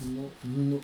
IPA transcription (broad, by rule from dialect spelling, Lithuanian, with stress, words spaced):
ˈnʊ ˈnʊ